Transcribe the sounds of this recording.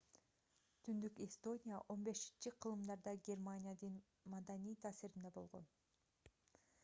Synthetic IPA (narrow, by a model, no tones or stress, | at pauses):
t̪ʰynd̪ykest̪o̞nʲijaʔo̞nbe̞ʃi̥nt͡ʃiqʰɯlˠɯmd̪ɑɾd̪ɑɡʲe̞rmanʲijad̪ɯn | mɑd̪anijt̪ʰaːsiɾind̪ebo̞lˠʁo̞̰n